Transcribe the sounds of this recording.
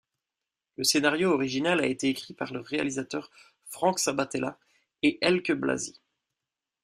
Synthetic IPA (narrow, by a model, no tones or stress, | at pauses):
ləsenaʁjoɔʁiʒinalaet̪eekχipaʁləʁea̰lizat̪œʁ | fχɑ̃ksabat̪ɛla̰ | eʔɛlkəbla̰zi